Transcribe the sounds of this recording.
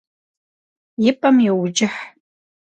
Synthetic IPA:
jɪpʼɐmjɛwd͡ʒɪħ

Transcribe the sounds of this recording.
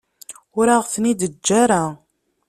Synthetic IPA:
ʊɾaʁθnid̪əd͡ʒːaɾa

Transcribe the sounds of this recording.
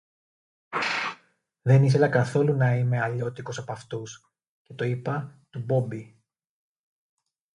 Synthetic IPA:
ðe̞nis̬e̞lɐkɐθo̞lunɐime̞ɐʎo̞t̪iko̞sɐpɐft̪us | ce̞t̪oipɐt̪ubo̞bi

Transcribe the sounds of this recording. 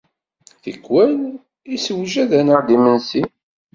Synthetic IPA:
θəkːwæn | isəwʒæðænəʕd̪imənsi

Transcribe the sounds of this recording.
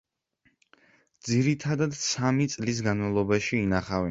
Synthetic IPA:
d̪ziɾit̪ʰad̪ad̪samit̪sʼlis̬ɡanmalˠɔbaʃiːnaχavɛ

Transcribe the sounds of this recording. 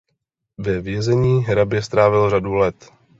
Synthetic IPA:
vɛvjɛzɛɲiːɦɾabjɛst̪ɾaːvɪlradulɛt̪

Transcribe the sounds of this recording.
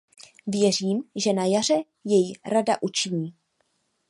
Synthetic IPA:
vjɛr̝iːmʒɛnajar̝ɛ | jɛjiɾada̰ʔut͡ʃɪɲiː

